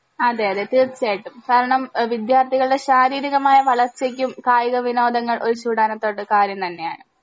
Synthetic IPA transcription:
ɐðeɐðet̪iːrt͡ɕaːjiʈːumkaːɾɐɳɐmʋid̪jaːrt̪ʰiɣɐɭɽe̞ɕaːɾiːɾiɣɐmaːjɐʋɐɭɐrt͡ɕːek̬ʲːumkaːjiɣɐʋino̞ːd̪ɐŋːɐɭʔo̞ɾut͡ɕuːɽaːnɐt̪ːo̞ːɽɨkaːɾjɐmt̪ɐnːe̞ja̰ːɳɨ

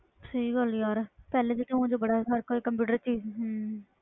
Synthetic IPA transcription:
səiːɡəljaːɾpɛːleːd͡ʒɪt̪ʰːẽũːd͡ʒebəɽaːsaɾkoiːkəmpuːʈəɾt͡ʃiːzɦ

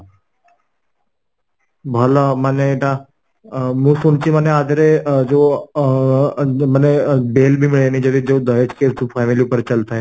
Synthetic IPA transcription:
bʱaːlamaneʈa | mũsunt͡ʃiməːneaːd̪ɾed͡ʒoː | mənebeːlbʱimɪɭeenid͡ʒɐd̪id͡ʒoːd̪ʱəet͡ʃkeufʰaːmiliupəɾt͡ʃɐlt̪aɦɛː

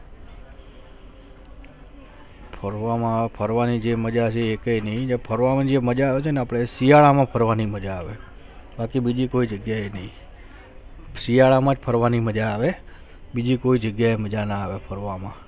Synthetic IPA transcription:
pʰəɾʋamãpʰəɾʋanid͡ʒeməd͡ʒat͡ʃʰeːkenəɦĩd͡ʒapʰəɾʋamad͡ʒeməd͡ʒaːʋet͡ʃʰeneapɽ̃esijaɭamãpʰəɾʋaniməd͡ʒaːʋe | bakibid͡ʒikoid͡ʒəɡjaenəɦĩ | sijaɭamãd͡ʒpʰəɾʋaniməd͡ʒaːʋe | bid͡ʒikoid͡ʒəɡjaeməd͡ʒanaːʋepʰəɾʋamã

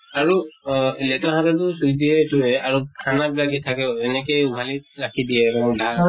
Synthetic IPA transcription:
aɹulɛtaɦatatʊsuidiɛtuɹɛaɹukʰanabilakitʰakɛɛnɛkejubʱalitɹakʰidijɛkɔnudʱa

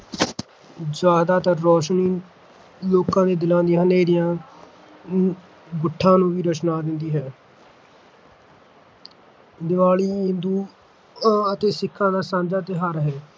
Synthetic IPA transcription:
zaːd̪aːt̪əɾɔːʃniː | loːkãːd̪eːd̪ɪlãːnd̪ɪjãːneːɾɪjãː | bʊʈʰːãːnũːʋiːɾət͡ʃnaːd̪ɪnd̪iːɦɛː | d̪ɪʋaːliːɦɪ̃nd̪uː | ət̪eːsɪkʰːãːd̪aːsãːnd͡ʒaːt̪eːɦəɾɦɛː

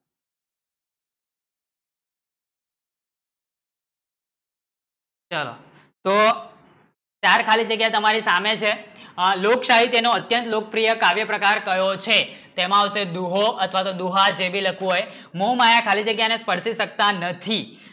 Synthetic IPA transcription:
t͡ʃəlo̰ | t̪o | t͡ʃaɾkʰalid͡ʒəɡjat̪əmaɾisamet͡ʃʰelokʃaɦit̪enoət̪jənt̪lokəpɾijəkaʋjəpɾəkaɾkəjot͡ʃʰet̪emãəsed̪uɦoət̪ʰʋat̪od̪uɦad͡ʒebiləkʰũɦoj | momajakʰalid͡ʒəɡjanespəɾsiʃək̚t̪anət̪ʰi

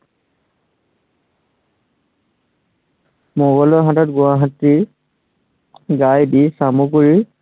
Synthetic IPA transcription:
mɔbalɔɦatɔtɡʊwaɦatːi | ɡajdisamukoɹi

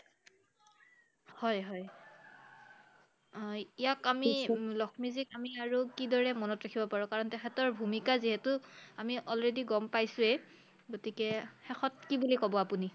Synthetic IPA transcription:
hɔjɦɔj | ijakamilɔkʰmizikamiaɹukidɔɹɛmɔnɔtɹakʰibɔpaɹɔkaɹɔntɛxʰɛtɔɹbʱumikaziɦɛtʊamiʔɔlɹediɡɔmpajsʊɛ | ɡotikɛxɛxɔt̚kibulikɔbɔapuni

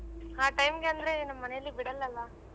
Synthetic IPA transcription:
aːʈɐjmɡeɐnd̪ɾenɐmːɐnɛjɐlːibɪɽɐlːɐlːaː

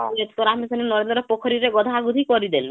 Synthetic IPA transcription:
ɔlet̪t̪oɾamisɔninɔɾend̪ɾɔpokʰɔɾiɾeɡɔd̪ʱaɡud̪ʱikɔɾid̪el

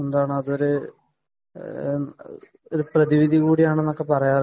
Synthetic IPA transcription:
end̪aːɳɨɐðo̞ɾu | oɾuprɐðiʋid̪ʱikuːɽijaːɳenːo̞kːe̞pɐrɐjaːr

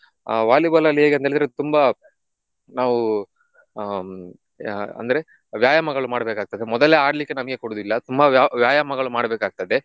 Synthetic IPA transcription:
ʋaːlibɐlɐlːiɦeːɡent̪eːɭid̪ɾet̪umbɐ | naːʋu | ɐ̰nd̪ɐɾe̞ | ʋjaːjɐmɐɡɐɭumaːɽɐbeːkaːɡ̚t̪ɐd̪emɔd̪ɐleaːɽɐlikːe̞nɐmɐɡekoɽuːd̪ilːɐt̪umbɐaʋjaːjɐmɐɡɐɭumaːɽɐbeːkaːɡ̚t̪ɐd̪e

